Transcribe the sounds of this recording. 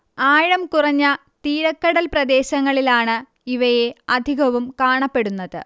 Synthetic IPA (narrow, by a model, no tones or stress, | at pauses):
aːɻɐmkurɐɲːɐ | t̪iːɾɐkːɐɽɐlprɐd̪e̞ːɕɐŋːɐɭilaːɳɨ | iʋɐje̞ɐd̪ʱiɣɐʋumkaːɳɐpːe̞ɽunːɐðɨ̰